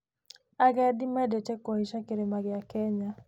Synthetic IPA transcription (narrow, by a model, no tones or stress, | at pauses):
aɣɛdimɛdet͡ʃɛkɔhiʃakeɾemaɣɪakɛɲa